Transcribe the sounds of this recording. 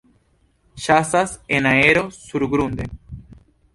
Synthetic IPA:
ʃasasenaeɾosuɾɣɾund̪e

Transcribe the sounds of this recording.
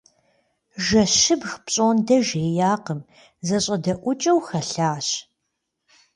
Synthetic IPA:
ʒɐɕɪbxpɕʼoːndɐʒeːjaːqəm | zɐɕʼɐdɐʔʷʊt͡ʃʼɐwxɐɬaːɕ

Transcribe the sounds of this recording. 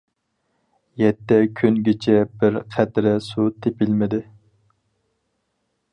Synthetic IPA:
jɛt̪ːɛkʲʰynɡʲɪt͡ʃʰɛbɪɾqʰæt̪ɾɪsut̪ʰepɪlmɪd̪ɪ

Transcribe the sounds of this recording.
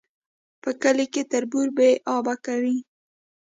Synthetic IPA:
pəkəleket̪aɾbuɾbeʔɑbakawi

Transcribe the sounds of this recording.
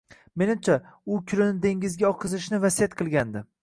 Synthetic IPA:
me̞nɪmt͡ʃʰaʊkʲʰʊlɪnɪd̪e̞ŋʲɪzɡʲaɒqʰɨzɪʃnɪvasijat̪̚qʰɨlˠɡʲand̪ɪ

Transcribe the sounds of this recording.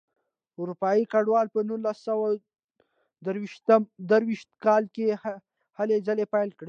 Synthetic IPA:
ʊɾupɑikaɖwɑlpənunlasːawa | d̪əɾwiʃt̪əmd̪əɾwiʃt̪̚kɑlke | halezalepajlkɽe

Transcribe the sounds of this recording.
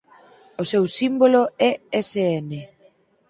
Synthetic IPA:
osewsimboloɛeseene

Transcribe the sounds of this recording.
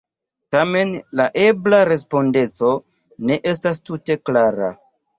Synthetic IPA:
tame̞nlaʔe̞blaɾe̞s̬po̞nde̞t͡so̞ | ne̞ʔe̞s̬tas̬tute̞klaɾa̰

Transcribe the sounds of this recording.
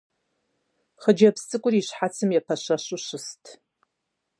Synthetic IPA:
χəd͡ʒɐpst͡sʼɨkʷʼʊriɕħat͡sʰɨmjɛpʰɐɕɐɕʊɕʊstʰ

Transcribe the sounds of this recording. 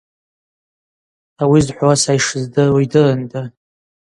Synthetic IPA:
awizħʷwasajʂɨzdɨwjdɨlandʼa

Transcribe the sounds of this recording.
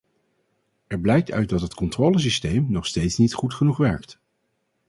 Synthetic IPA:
ɛɹblɛjk̚tœ̰ɥt̚dɑtɦətkɔntroːləs̬istejmnɔχstejtsnitχutχənuχʋɛɹkt

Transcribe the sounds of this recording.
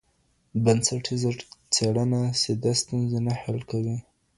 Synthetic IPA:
bansaʈʰizəɾt͡seɽanased̪ast̪unzanahalkawi

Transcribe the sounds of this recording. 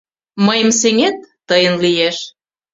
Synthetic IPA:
məjə̆mseŋet̪̚ːəjənlieʃ

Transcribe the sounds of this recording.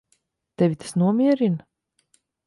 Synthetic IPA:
t̪ɛvʲit̪ḁsnuɔmʲiɛɾin

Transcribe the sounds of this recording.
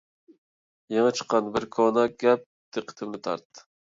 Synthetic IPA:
jɑŋɑt͡ʃʰə̥qːɑnbɪɾkʰonɑɡʲɛp̚ | d̪̥eqʰə̥t̪ʰɪmnɪt̪ʰɑ̰ɾt̪ː

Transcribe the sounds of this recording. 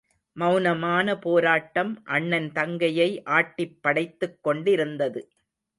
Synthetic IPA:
mɐʊnɐmaːnɐpoːɾaːʈːɐmʔɐɳːɐnt̪ɐŋɡɐjɐɪʔaːʈːɪpːɐɽɐɪt̪ːɯkːɔɳɖɪɾɯnd̪ɐðɯ

